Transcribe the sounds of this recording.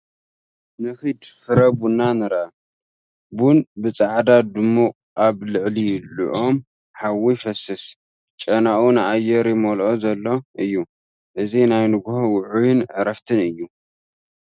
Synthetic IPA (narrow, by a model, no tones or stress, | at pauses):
nɨxid̪fɨɾɐbunːanɨɾʔa | bunbɨt͡sʼaʕd̪ad̪ɨmːo | ʔaβlɨʕlijlṵʔom | ħawifɐsɨs | t͡ʃʼɐnaʔunɨʔajːɛɾjɪmolʔozɐlːo̞ʔɨjːu | ʔɨzinajnɨɡhowʊʕujɪnʕɨɾɐft̪ʰɨnɨjːu